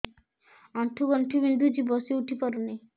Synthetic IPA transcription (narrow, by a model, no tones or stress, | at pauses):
ɔnʈʰuɡɔnʈʰubind̪ʱud͡ʑibɔseuʈʰipɔɾone